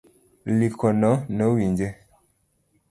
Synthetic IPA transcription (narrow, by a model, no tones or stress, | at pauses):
likɔnɔnəwind͡ʒe